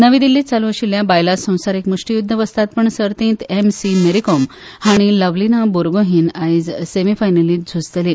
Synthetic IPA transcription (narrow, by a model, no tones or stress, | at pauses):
nəʋid̪ilːit͡saluɕiljabajlasə̃w̃saɾikmuʂʈijud̪ʱːəʋəst̪at̪̚pəɳsəɾt̪ĩːnt̪emsimeɾikɔm | haɽ̃iləʋlinaboɾɡoɦiːnajd͡zsemifajnəliːt̪̚d͡zʱud͡zt̪ele